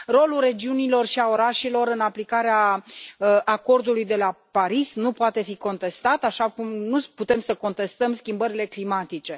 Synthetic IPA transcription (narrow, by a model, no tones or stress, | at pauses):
ro̞lure̞d͡ʒiunilo̞rʃiao̞ɾaʃilo̞ɾɨnaplikaɾeaəʔako̞rd̪ulujd̪e̞lapaɾisnupoat̪e̞fiko̞nt̪e̞st̪at̪aʃakumnuput̪e̞msəko̞nt̪e̞st̪əmskʲimbəɾile̞klimat̪it͡ʃe̞